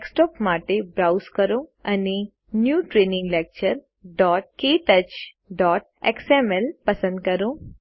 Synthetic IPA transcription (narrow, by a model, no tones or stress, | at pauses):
ksʈɔpmaʈebɾawskəɾõəne | njuːʈɾenɪ̃ŋɡlek̚t͡ɕəɾ | ɖɔːʈ̚keːʈət͡ʃ | ɖɔːʈ̚eksemelpəsə̃nd̪̚kəɾõ